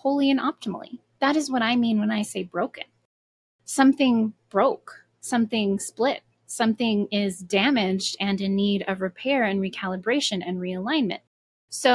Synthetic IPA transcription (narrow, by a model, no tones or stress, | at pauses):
hoʊlˠiɨ̃nɑp̚tʰəml̩ˠḭ | ðɨɾɨzwʌɾaɪmĩnwə̃naɪseɪbɹoʊkɨ̰̃n | sʌ̃mθɪ̃ŋb̥ɹoʊk | sʌ̃mθɪ̃ŋsplɪt̚ | sʌ̃mθɪ̃ŋɪzdæmɪd͡ʒdɨ̃nɨ̃nːiɾʌvɹɨpʰɛɹɨ̃nɹikʰælˠəbɹeɪʃɨ̃nɨ̃nɹiɨlãɪ̃nmɨ̰̃nt̚ | soʊ